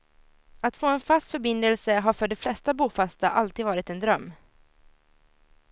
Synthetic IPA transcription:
at̪foːɛnfast̪fœɾbɪnd̪əlsəɦaɾfœɖɛflɛst̪abuːfast̪aʔalt̪iːd̪vɑːɾɪt̪ɛnd̪ɾœmː

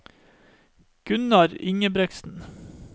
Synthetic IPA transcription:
ɡ̥ʉnɑɾɪŋəbɾɛksn̩

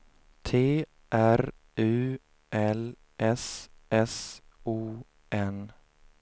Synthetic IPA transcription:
t̪ʰeː | ʔæɾ | ʉ̟ː | ʔɛl | ʔɛsʔɛs | uː | ʔɛn

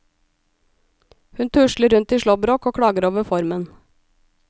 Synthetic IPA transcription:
hʉnt̪ʰʉʃləɾʉnt̪iːʃlɔbɾoːkoːkʰɽɑːɡəɾoːʋəfɔɾmən

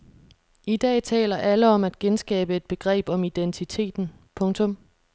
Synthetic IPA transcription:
id̥ɛ̰ːt͡sʰɛ̰ːlɐʔæləɒ̽mæd̥ɡ̥ensɡ̥ɛ̰ːb̥əe̝d̥̚b̥e̝ɡ̥ʁɛ̰ːb̥ɒ̽mid̥ent͡sʰit͡sʰe̝̰ːd̥n̩ | pʰɔ̽ŋt͡sʰɔ̽m

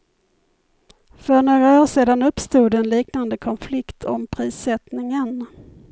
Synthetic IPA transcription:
fœɳoːɡɾaoːʂeːd̪anɵpːst̪uːd̪ɛnliːknand̪əkʰɔnflɪkt̪ʰɔ̰mpʰɾiːsɛt̪nɪŋən

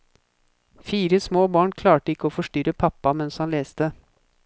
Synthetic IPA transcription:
fiːɾəsmoːbɑːɳkʰlɑːʈəɪkːəoːfɔʂʈʏɾəpʰɑpːɑmɛnshɑnleːst̪ə

